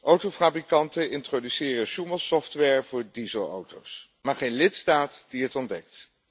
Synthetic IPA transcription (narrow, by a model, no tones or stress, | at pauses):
ʔowtowfabrikɑntənɪntrodysɪːrəʃuməlˠsɔftʋɛɹv̥ʊːɹdizəlˠo̰wtows | maːɹχejnlɪtstaːtd̥iɦətɔndɛk̚t